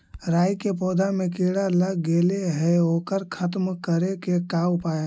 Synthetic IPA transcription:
ɾaːjkep̬ɔːd̪ʱamẽkiːɽaləɡɡeːleɦɛoːkəɾkʰət̪mkəɾekekaːwpaːja

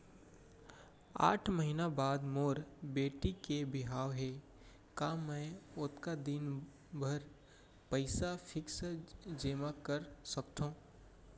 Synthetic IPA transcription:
a̰ːʈʰməɦiːnabaːd̪moːɾbeːʈikebɪɦaːʋɦeː | kaːmɛ̃ʊt̪kad̪ɪn | bʱəɾ | pəɪsafʰɪksd͡ʒeːmakəɾsəkt̪ʰõː

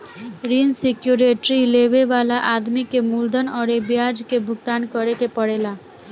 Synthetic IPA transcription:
ɾinsekjuɾeʈɾilebebalaʔad̪mikemuld̪ʱɔnɔɾebijad͡ʒkebʱuɡt̪ankɔɾekepɔɽela

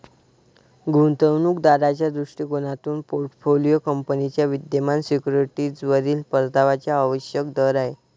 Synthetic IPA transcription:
ɡʱunt̪əʋnuːkd̪aɾat͡ɕjad̪ɾuʂʈikonat̪uːnpoɾʈfolijokəmpənit͡ɕjaʋid̪jəmansikuɾiʈid͡zʋəɾiːlpəɾt̪aʋat͡ɕjaːʋəɕjək̚d̪əɾaɦe

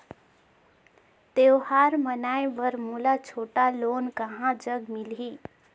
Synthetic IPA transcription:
t̪ewɦaɾmənajʋəɾmulat͡ʃʰoʈalonkəɦãd͡ʒəɡmilɦi

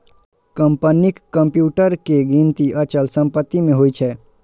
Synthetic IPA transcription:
kəmpənɪkːəmpjuːʈəɾkeɡĩnt̪iʔət͡ʃəlsə̃mpət̪ːimẽɦoːit͡ʃʰɛː

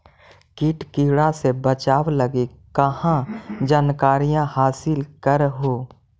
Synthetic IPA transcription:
kiːʈkiːɽasebət͡ʃaːwləɡikəhãd͡ʒaːnkaːɾijãhaːsɪlkəɾɦoː

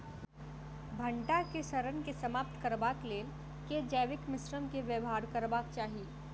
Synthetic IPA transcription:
bʱɐ̃ɳʈakeʃɐɾənkesɐmaːp̚t̪kɐɾbaːkleːl | ked͡ʒɛːʋɪkmɪsɾəmkeʋjəʋɦaːɾkɐɾbaːk̚t͡ʃaːɦieː

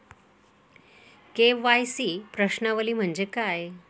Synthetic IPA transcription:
keʋajsiːpɾəɕnaʋəliːm̤əɳd͡ʑekaj

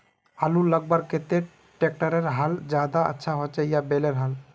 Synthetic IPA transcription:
aluləɡ̚baɾket̪e | ʈek̚ʈəɾeɾɦald͡ʒad̪aə̰tːʃʰaɦot͡ʃɛjabeleɾɦal

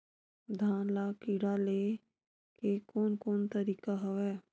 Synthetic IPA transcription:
d̪ʱaːnlaːkiɽale | kekoːnkoːnt̪əɾiːkaɦəʋɛː

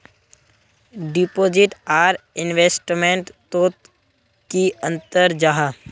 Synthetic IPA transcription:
ɖipoːd͡ʒɪʈaːɾɪnʋeːsʈmẽɳʈt̪oːt̪ | kiə̃nt̪əɾd͡ʒaɦa

